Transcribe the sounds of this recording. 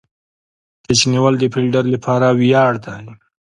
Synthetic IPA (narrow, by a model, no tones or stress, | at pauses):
t̪ət͡ʃniwald̪əpɪlɖaɾlapʰɑɾawjɑɽd̪aj